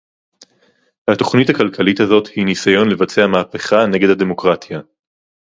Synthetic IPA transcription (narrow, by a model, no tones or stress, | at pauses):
hato̞χnithakalkʰalithazo̞thinisajo̞nle̞vat͡seamaːpe̞χane̞ɡedhade̞mokʁat̪ja